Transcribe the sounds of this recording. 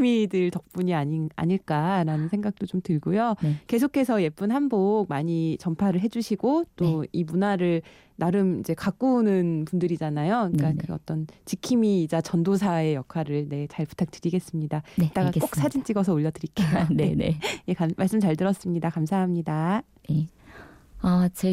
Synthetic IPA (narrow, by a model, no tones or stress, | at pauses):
midɯɭtʌk̚p͈uɲiaɲia̰ɲiɭk͈aɾanɯnsʰeŋɡak̚t͈ot͡ɕomtɯɭɡojoke̞sʰokʰe̞sʰʌje̞p͈unɦanbok̚maɲit͡ɕʌmpʰaɾɯɭɦed͡ʑuɕʰiɡot͈oimunaɾɯɭ | naɾɯmid͡ʑe̞kak͈unɯnpundɯɾid͡ʑanajoik͈akɯʌ̰t͈ʌnt͡ɕikʰimiːd͡ʑat͡ɕʌndos̬ʰae̞jʌkʰwaɾɯɭne̞t͡ɕaɭpu̥tʰak̚t͈ɯɾiɡe̞s͈ɯmɲidaet͈aɡak͈ok̚s͈ʰad͡ʑint͡ɕ͈iɡʌs̬ʰʌoʎːʌdɯɾik͈ennejekammaɭs͈ɯmt͡ɕaɭdɯɾʌs͈ɯmɲidakamsʰaɦamɲida | e | at͡ɕe